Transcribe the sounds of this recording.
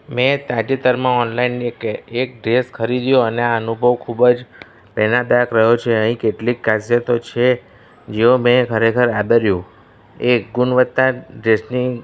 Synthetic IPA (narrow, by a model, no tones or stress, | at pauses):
mẽt̪ad͡ʒit̪əɾmãɔnlainːekek̚ɖɾeskʰəɾid̪jõəneaənubʱəʋkʰubd͡ʒ | pɛnab̪akɾəɦjot͡ʃʰeəɦĩkeʈlikːasjət̪ot͡ʃʰe | d͡ʒeomẽkʰəɾekʰəɾad̪əɾjũ | eɡʊnʋət̪ːãɖɾesni